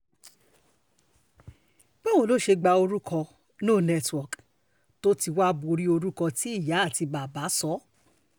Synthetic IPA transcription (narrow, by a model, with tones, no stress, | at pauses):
k͡pɛ˦w̃õ˨lo˨˦ʃe˧ɡ͡ba˧o˧ɾu˦kʰɔ̃˧ | nũː˦˨nɛ˧twɔ˨k | to˦ti˧wa˦bu˧ɾi˦o˧ɾu˦kɔ̃˧ti˨˦i˦˨ja˨˦a˦˨ti˧ba˨ba˨˦sɔ˦